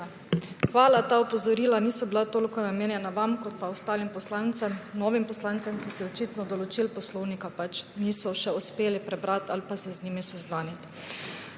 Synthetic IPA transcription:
xʋaːlat̪aɔpɔzɔɾiːlaniːsɔbilat̪oːlikɔnameːnjɛnaʋamkɔt̪̚paɔst̪aːlimpɔslant̪sɛmnɔʋimpɔslant̪sɛmkisɛjɛɔt͡ʃiːt̪nɔd̪ɔlɔt͡ʃilpɔslɔwnikapat͡ʃniːsɔʃɛuspeːlipɾɛbɾat̪ʰalpasɛzniːmisɛznaːnit̪

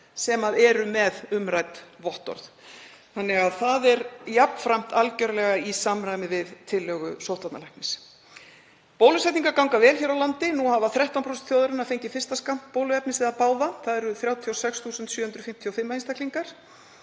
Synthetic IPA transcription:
sɛmaðɛɾʏmɛðʏmɾajt̪vɔht̪ɔ̰ɾθ | θanːɛɣaðθaðɛɾjapn̥fɾajm̥t̪alcœɾlɛɣaisamɾajmɪvɪðt̪ʰɪlːœːɣʏ̰sowt̪at̪nalajkpnɪs | poːwlʏsɛjt̪niŋkaɾkawŋkavɛːlçɛɾawlant̪ɪnuhavaθɾɛht̪anpʰɾowsɛnt̪θjowðaɾɪnafejɲcɪfɪ̥st̪askam̥ppoːwlʏɛpnɪsɪðaðpaːwðaθaðɛɾʏθɾjaːwt̪ʰiawsɛksθuːsʏnt̪sjœhʏnt̪ɾʏfɪm̥t̪ʰjɔwfɪmːahinst̪akliŋkaɾ̥

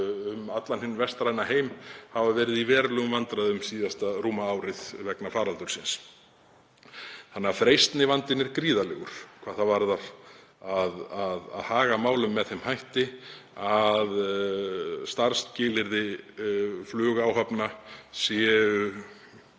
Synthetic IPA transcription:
ʏmat̪lanhɪnːvɛr̥st̪ɾajnaheːjmhavavɛːɾɪðivɛːɾlœɣʏmvant̪ɾaðʏmsiːðast̪aruːmaawɾɪðvɛknafaːɾalt̪ʏɾ̥sɪns | θanːɣafɾejst̪nɪvant̪ɪnɛɾkɾiːðalɛɣʏɾ̥kʰvaːðθavaɾðaɾ̥ | aðaða̰ðhaːɣamaːwlʏmːɛðθemhajht̪ɪað | st̪aɾr̥st̪cɪːlɪɾðɪ | flʏːɣaːwɦapnasjɛʏ

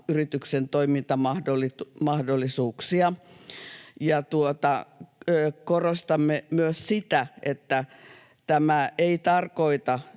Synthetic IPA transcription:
yrit̪yksent̪oimint̪ɑmɑhdolimɑhdolːˑisuːksiɑ | jɑt̪uot̪ɑː | korost̪ɑmːemyøssit̪æʔet̪ːæ | t̪æmæeit̪ɑrkoit̪ɑ

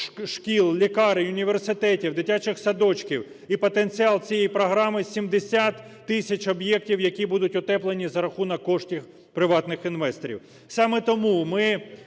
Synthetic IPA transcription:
ʃkʲilˠlʲikɑɾɪʊnʲiʋersɪt̪ɛtʲiwd̪ɪtʲat͡ʃɪxsɐd̪ɔt͡ʃkʲiw | ipɔt̪ent͡sʲiɑlˠt͡sʲijɛjipɾɔɦɾɑmɪsʲimd̪esʲat̪ːɪsʲɐt͡ʃɔbjɛk̚tʲiwjɐkʲibud̪ʊtʲɔt̪ɛplˠenʲizɐɾɐxunɐkːɔʃtʲix | pɾɪʋɑt̪nɪxinʋɛst̪ɾʲḭw | sɑmɛt̪ɔmumɪ

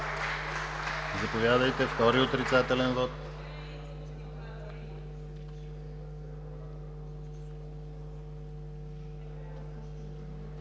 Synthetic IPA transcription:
zɐpovʲjad̪əjt̪ɛft̪ɔɾiot̪ɾit̪sat̪ɛlɛnvɔt̪

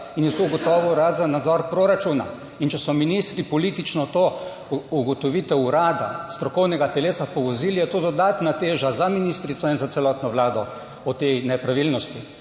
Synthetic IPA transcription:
injɛt̪ouɡɔt̪ɔːʋɔuɾat̪zanad̪zɔɾpɾoɾat͡ʃuna̰ | int͡ʃɛsɔminist̪ɾipɔlit̪it͡ʃnɔt̪o | uɡɔt̪ɔʋit̪ɛwuɾaːd̪a̰st̪ɾɔkɔwnɛɡat̪ɛleːsapɔʋɔziljɛt̪od̪ɔd̪at̪nat̪eːʒazaminist̪ɾit̪sɔinzatsɛlɔːt̪nɔʋlaːd̪ɔ | ɔt̪ejnɛpɾaʋilnɔst̪i

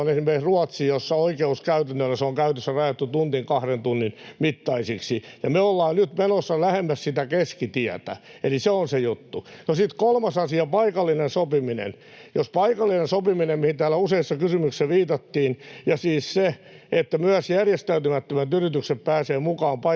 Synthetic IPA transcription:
onesimːeksruɑt̪sijosːɑoikeuskæyt̪ænːølːæseoŋkæyt̪øsːærɑjɑt̪ːut̪unt̪iŋkɑhrent̪unːinmit̪ːɑisiksijɑmeolːɑːnnyt̪menosːɑlæhemːæssit̪ækeskit̪iæt̪æ̰eliseonsejut̪ːunosit̪kolmɑsɑsiɑpɑikɑlːinensopiminḛn | jospɑikɑlːinensopiminemmihint̪æːlːæuseisːɑkysymykseʋiːt̪ɑt̪ːiːnjɑsiːsse | et̪ːæmyæsjærjest̪ælt̪ymæt̪ːømæt̪yrit̪ykseppæːseːmukɑːmpɑ

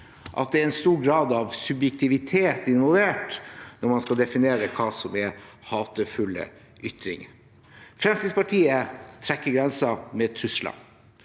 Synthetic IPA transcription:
ʔɑ̰t̪̚d̪ɛæɾɛnst̪uːɾɡɾɑːd̪ɑʋsʉbjɛk̚t̪ʰɪʋɪt̪ʰeːt̪ɪnʋɑlˠʋeːʈnɔɾmɑnskɑld̪ɛfɪneːɾəkʰɑːsɔmɛhɑːt̪əfʉlːə̰ | ʔʏt̪ɾɪ̰ŋ | fɾɛmsɪpɑʈʰiːət̪ʰɾɛkːəɡɾɛnsɑmɛt̪ʰɾʉslɑ̰

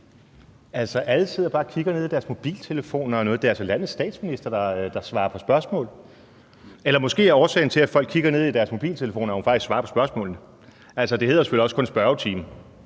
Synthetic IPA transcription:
ælsɒʔælət͡sʰið̰ˠɐb̥ɑ̈ːkʰiɡ̥ɐneð̰ˠid̥æɐsmo̝b̥ḭːlt͡sʰe̝ləfo̝̰ːnɐɒnɔ̽ːð̩ˠd̥e̝ælsɒlænð̩ˠsd̥ɛ̰ːd̥sminisd̥ɐd̥ɑ̈d̥ɑ̈sʋɑ̈ːɐpʰɒ̽sb̥ɶɐsmɔ̰̽ːl | elɐmɒ̽sɡ̥e̝̰ːæɐɒːsɛ̰ːɪn̩ət͡sʰe̝læfɒ̽l̰ɡ̥kʰːiɡ̥ɐne̝ð̞̰ˠid̥æɐsmo̝b̥ḭːlt͡sʰe̝ləfo̝̰ːnɐhufɑ̈ɡ̥isɡsʋɑ̈ɐpʰɒ̽sb̥ɶɐsmɔ̰̽ːln̩ə | ælsɒd̥e̝he̝ðˠɐsefø̰l̰iɒ̽sə̥kʰɔ̽nsb̥ɶɐʊt͡sʰḭːmə

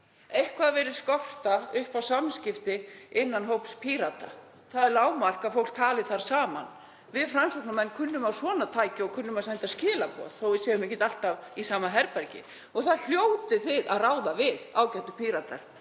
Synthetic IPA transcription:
ejhkʰvaðavɛːɾɪðskɔft̪aʏhpawsamscɪft̪ɪɪnːanɦowpspʰiɾat̪a | θaðɛɾlaːwmar̥kaðfowhlk̚t̪ʰaːlɪθaɾ̥saːma̰n | vɪðfɾansoknamɛnkʰʏnːʏmawsvɔːnat̪ʰaːjcɪɔɣkʰʏnːʏmasajnt̪ascɪːlapɔ̰ːð̥θowvɪsɛːjʏmɛcːɪt̪al̥t̪avisaːmaɦɛɾpɛɾcɪ̰ | ɔɣθaðl̥joːwt̪ɪθɪða̰ðraːwðavɪðaːwcɛht̪ʏpʰiɾat̪aɾ̥

